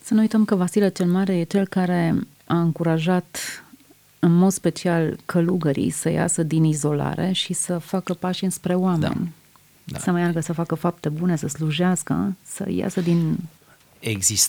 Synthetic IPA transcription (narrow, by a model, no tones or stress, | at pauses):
sənuujt̪əmkəvasilət͡ʃe̞lmaɾe̞je̞t͡ʃe̞lkaɾe̞ | aɨŋkuɾaʒat̪ | ɨnmo̞d̪spe̞t͡ʃialkʰəluɡəɾḭjsəja̰səd̪inizo̞la̰ɾʔe̞ʃisəfakəpaʃɨnspɾe̞oamḛnʲ | səməjarɡəsəfakəfap̚t̪e̞bune̞səsluʒaskə̰sə̰ja̰səd̪in | eɡzis